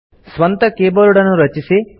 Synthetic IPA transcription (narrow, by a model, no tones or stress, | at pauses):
sʋɐnt̪ɐkeːbɐɾuɽɐnuɾɐt͡ʃisi